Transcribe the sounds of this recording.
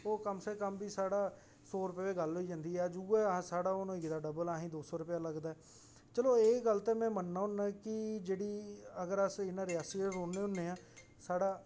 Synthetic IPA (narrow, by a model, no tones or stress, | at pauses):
oːkəmseːkəmbiːsaːɽaː | soːɾʊpeːʋeːɡəlɦoiːd͡ʒãːnd̪iːɦɛːd͡ʒuːɛːãːsaːɽaːonõːɪkd̪aːɖəbəlaːɦĩːd̪oːsɔːɾʊpɪjaːləɡd̪aːɛː | t͡ʃəloːeːɡəlt̪eːmɛ̃ːmənːãːɦʊnːãːkɪd͡ʒeːɽiːəɡəɾəsɪnãːɾɪjaːsieɾoːnːeːɦʊnːẽːãː | saːɽaː